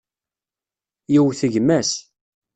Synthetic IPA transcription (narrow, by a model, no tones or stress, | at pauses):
jiwθəʝmæs